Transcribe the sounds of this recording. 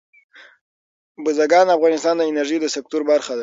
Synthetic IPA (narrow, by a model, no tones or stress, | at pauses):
bʊzaɡɑnafɣɑnɪst̪ɑnd̪əɪnaɾʒid̪əsek̚t̪oɾbaɾxad̪a